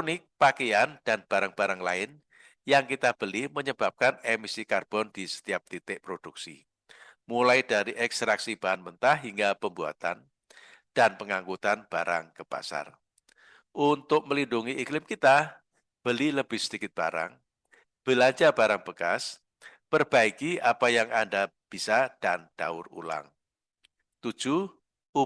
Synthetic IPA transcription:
nɪk̚pakeand̥anb̥aɾaŋb̥aɾaŋlaɪn | jaŋkit̪ab̥əlɪhməɲəb̥ap̚kanemisikarb̥ɔndisə̥t̪iap̚t̪it̪ɪʔpɾod̥uk̚sḭ | mulajdaɾiʔɛkst̪ɾaksib̥aɦanmənt̪ahɦiŋɡapəmbua̰t̪a̰n | d̥anpəŋaŋɡut̪anb̥aɾa̰ŋkəb̥a̰sa̰r | ʔunt̪ʊk̚məlinduŋiʔiklɪmkit̪a | b̥əliləbɪhsədikɪt̪̚b̥a̰ɾa̰ŋ | b̥əlaɲt͡ʃabaɾaŋb̥əkas | b̥ərb̥aikiapajaŋandab̥isad̥and̥a̰ʊrṵla̰ŋ | t̪u̥d͡ʒ̥u | u

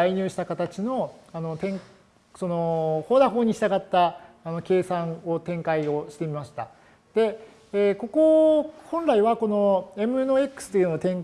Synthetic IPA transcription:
aiɲ̟ɨːɕi̥t̪akat̪at͡ɕino̞ano̞t̪ẽ̞ŋ | so̞no̞ho̞ːd̪aɦo̞ːɲ̟iɕi̥t̪aɡat̪ːaː | no̞kʲe̞ːsãŋ̃o̞t̪ẽ̞ŋkaio̞ɕi̥t̪emʲimaɕi̥t̪a | d̪̥e̞ | ko̞ko̞hõ̞nɾaiβako̞no̞e̞mɯ̟noe̞kɯ̥sɨ̥t̪oiɯ̟nat̪ẽ̞ŋ

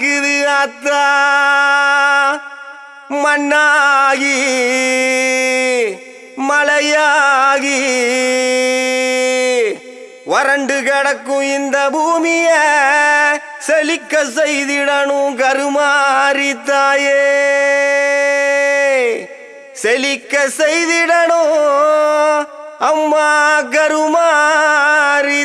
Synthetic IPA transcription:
kɯðɯɐt̪ːa | mɐnːaːɣi | mɐlɐjaɣi | ʋɔɾɐɳɖɯkɛɽɐkːũɪnd̪ɐbʱuːmijɐ | selikːɐsejd̪iɽɐnuɡɐɾumaɾit̪ːaːje | selikːɐsejd̪iɽɐɳu | ɐmːaːɡɐɾumaː | ɾi

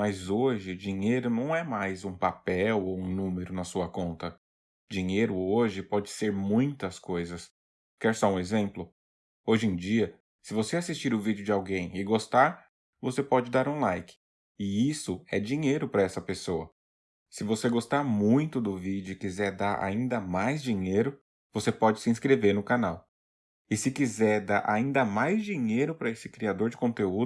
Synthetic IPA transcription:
mɐzoʒɪd͡ʒĩɲejɾʊnɐ̃w̃ɛmajzũpapɛwowũnũmeɾʊnɐsuɐkõnt̪ɐ | d͡ʒĩɲejɾʊoʒɪpɔd͡ʒɪseɾmũj̃t̪ɐskojzɐs | kɛɾsɔũezẽmplʊ | oʒẽd͡ʒiɐ | sɪvoseasist͡ʃiɾʊvid͡ʒɪʊd͡ʒɪawɡẽj̃ɪɡost̪aɾ | vosepɔd͡ʒɪd̪aɾũlajkɪ̥ | ɪisʊɛd͡ʒĩɲejɾʊpɾɐɛsɐpesoɐ | sɪvoseɡost̪aɾmũj̃t̪ʊd̪ʊvid͡ʒʊkizɛɾd̪aɾʔa̰ĩnd̪ɐmajzd͡ʒĩɲejɾʊ | vosepɔd͡ʒɪsɪĩskɾeveɾnʊkanaw | ɪsɪkizɛɾd̪aɾʔa̰ĩnd̪ɐmajzd͡ʒiɲejɾʊpɾɐesɪ̥kɾiad̪oɾd͡ʒɪkõt̪eud̪ʊ

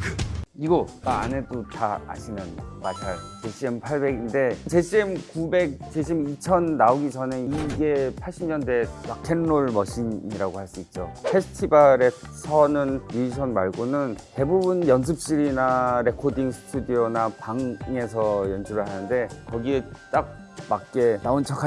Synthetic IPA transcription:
iɡomaa̰ne̞dotaa̰ɕʰinɯnmatʰaɭt͡ɕe̞ɕ͈ʰiempʰaɭbe̞ɡinde̞t͡ɕe̞ɕ͈ʰiemkube̞k̚t͡ɕeɕ̬ʰimit͡ɕʰʌnːaoɡid͡ʑʌneiɡe̞pʰaɭɕ͈ʰimɲʌnde̞wak̚kʰenːoɭmʌɕʰiɲiɾaɡohaɭs͈uit̚t͡ɕ͈opʰesʰɯ̥tʰibaɾe̞sʰʌnɯnɾuiɕʰʌnmaɭɡonɯnte̞bubunjʌns̬ʰɯp̚ɕ͈iɾinaɾe̞kʰodiŋsʰɯ̥tʰudionapaŋŋe̞sʰʌjʌnd͡ʑuɾɯɭɦanɯnde̞kʌɡiet͈ak̚mak̚k͈e̞naont͡ɕʰʌkʰa

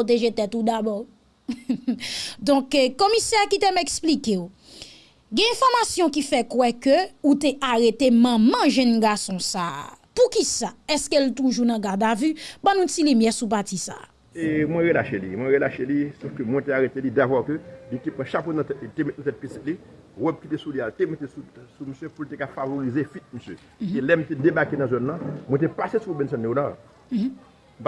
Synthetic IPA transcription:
ot̬eʒetɛtud̪abɔ | dɔ̃kkomisɛkitemɛksplikeo | ɡɛ̃ɛ̃fɔʁmasjɔ̃kifɛkwɛkøuteʔaʁetemɐ̃mɐ̃ʒɛ̃nɡasɔ̃sa̰ːpukisaɛskeltuʒunɐ̃ɡadavybãnũtilimjɛsup̬atisa̰ː | emwɛ̃ɣelaʃelḭmwɛ̃ɣelaʃelisofkømwɛ̃teaɣetelidavɔkølitepʁɐ̃ʃaponɐ̃tɛt̚liltemet̪̚nɐ̃t̬ɛt̚pisit̚li | ʁɔb̚kit̪esulialtemetesusuməsjøpultekafavoʁizefit̪̚məsjø | elɛm̩tedebakenɐ̃zɔnːɐ̃mwɛ̃t̬epasesubɛ̃ns̬ɔ̃nleonal

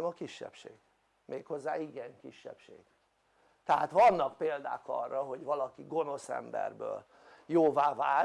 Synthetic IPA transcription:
mɒkiʃːɛ̰pʃeːɡ̥ | mʔeːkho̞zːaːiɡɛŋkḭʃːɛ̰pʃeːɡ̥ | t̪ɛɦa̰ːt̪ʋɒnːɒkpeːld̪a̰ːkɒ̰rːɒɦo̞ɟʋɒlɒkiɡo̞no̞sɛ̰mbɛ̰rbø̰ːl | joːvaːvaː

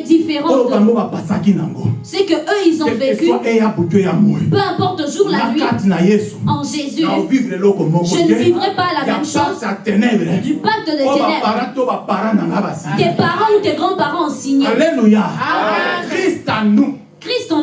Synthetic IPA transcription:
d̪ifeʁɑ̃olokaŋɡobapasakina̰ŋɡosɛkəʔøilzɔ̃vekyaʔejabotejamɔ̰ɛpøɛ̃pɔʁt̪oʒuʁlaaviatnajesu̥ɑ̃ʒezyaovivlelɔkɔmɔʒəvivʁɛpalafjasatatɛnɛbʁɛd̪ypak̚t̪əd̪oaɛpaɾãtobapaɾãnaŋɡabasat̪ɛpaʁɑ̃ut̪ɛɡʁɑ̃paʁɑ̃siɲalɛnoja | kʁist̪anũ | kʁist̪ɔ̃

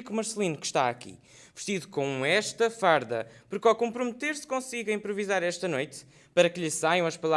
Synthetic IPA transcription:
kumɐɾslˠinukʃt̪aɐkḭ | vɨʃt̪iðukõɛʃt̪ɐfaɾðɐ̰puɾkawkõmpɾumɨt̪eɾskõsiɣɐĩmpɾuvizaɾɛʃt̪ɐnojt̪ | pɐɾɐkɨʎɨsajɐ̃w̃ɐʃpɐlˠa

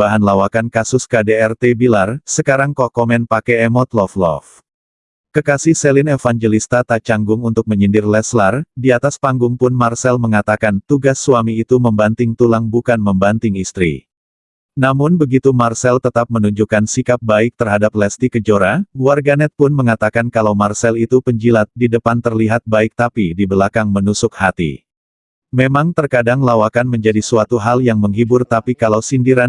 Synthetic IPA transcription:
baɦanlawakankasʊskadeɛrt̪ebilarsəkaɾaŋkɔkɔmɛnpakɛɛmɔt̪lɔflɔ̰f | kəkasihsɛlɪnɛfaŋd͡ʒelist̪at̪at͡ʃaŋɡʊŋunt̪ʊk̚məɲindɪrlɛslardiat̪aspaŋɡʊŋpʊnmarsɛlməŋat̪akant̪uɡasːuamiːt̪uməmbant̪ɪŋt̪ulaŋbukanməmbant̪ɪŋist̪ɾḭ | namʊnbəɡit̪umarsɛlt̪ət̪ap̚mənuɲd͡ʒukansikap̚baɪk̚t̪ərɦadap̚lɛst̪ikəd͡ʒoɾauwarɡanɛt̪̚pʊnməŋat̪akankalawmarsɛlit̪upəɲd͡ʒilat̪̚didəpant̪ərliɦat̪̚baɪk̚t̪apidibəlakaŋmənusʊkhat̪ḭ | memaŋt̪ərkadaŋlawakanməɲd͡ʒadisuat̪uɦaljaŋməŋɦibʊrt̪apikalawsindiɾa

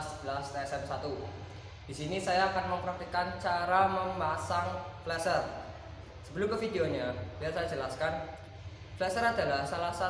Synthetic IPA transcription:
sb̥əlast̪ɛsɛmsat̪u | d̥isinisajaːkanməmpɾak̚t̪ikant͡ʃaɾaməmbasaŋflɛsər | səbəlukəfideoɲabiat̪sajad͡ʒəlaskan | flɛsəɾad̪alahsalasa

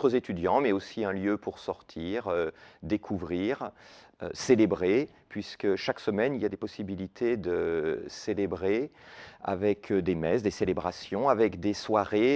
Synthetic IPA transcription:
χəzet̪yd̪jɑ̃mɛosiɛ̃ljøpʰuʁsɔʁt̪ʰiʁød̪ekʰuvʁiːʁø̰selebʁe | pɥiskəʃaksəmɛniljad̪epɔsibilit̪ʰed̪əselebʁe | a̰vɛkʰd̪emɛsd̪eselebʁasjɔ̃avɛkd̪eswaʁe

